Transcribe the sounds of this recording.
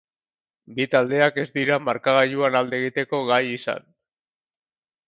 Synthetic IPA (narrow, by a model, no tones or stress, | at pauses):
bit̪ald̪e̞ake̞zd̪iɾamaɾkaɣaʎuanald̪eɣit̪e̞ko̞ɣajisa̰n